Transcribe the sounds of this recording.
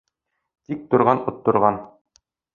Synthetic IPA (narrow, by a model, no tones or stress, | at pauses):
t̪ik̚t̪ŭɾʁɑnŭt̪ːŏɾʁɑn